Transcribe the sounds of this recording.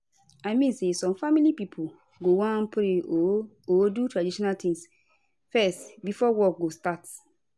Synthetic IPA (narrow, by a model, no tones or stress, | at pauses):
aɪmĩnsesɔ̃mfamilipipʰu | ɡowãnpɾeo | odutɹadiʃɔnaltĩŋs | fɛstbifɔwɔk̚ɡostat